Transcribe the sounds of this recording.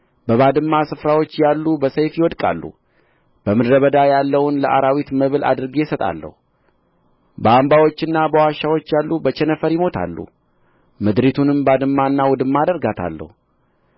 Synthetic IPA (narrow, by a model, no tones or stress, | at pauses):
bəβad̪ɨmːasɨfɾawo̞t͡ʃːjalːubəsəjfjɪwɔd̪kʼa̰lːṵ | b̥əmɨd̪ɾəβəd̪ajalːəwʊnləʔaɾawit̪məβɨlʔa̰d̪ɨɾɡejɛsət̪ʼa̰lːə̰hu | bəambawo̞t͡ʃːɨnːabəwaʃːawo̞t͡ʃːjalːubət͡ʃɛnəfəɾjɪmo̞t̪ʰa̰lːṵ | mɨd̪ɾet̪ʰunɨmbad̪ɨmːanːawɔd̪ɨmːad̪əɾɡat̪ʰa̰lːə̰hu